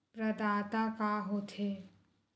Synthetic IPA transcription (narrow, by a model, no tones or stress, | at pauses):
pɾɐd̪aːt̪akaɦot̪ʰeː